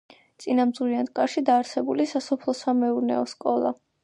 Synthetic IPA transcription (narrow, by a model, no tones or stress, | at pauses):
t̪sʼinamd̪ziant̪ʼkʼaɾʃid̪aːɾsɛbulisasɔpʰlˠɔsamɛuɾnɛ̰ɔskʼɔlˠa̰